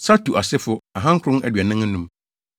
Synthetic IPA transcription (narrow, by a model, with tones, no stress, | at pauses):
sa˦tʰu˨ʔa˨sɪ˦fʊ˦a˨ɦã˦ŋ̩˦kʰɾʊ̃˦nʔæ̰˨dɥɛ˨nɪ̃˦ŋ˦nũ˦m